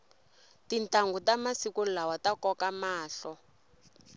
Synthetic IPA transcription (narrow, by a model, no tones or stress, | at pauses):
tintaŋɡutamasikulawatakɔkamaːɬɔ